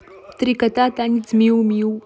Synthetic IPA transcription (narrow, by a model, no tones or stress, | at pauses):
t̪ɾikɐt̪at̪anit͡smiwmiw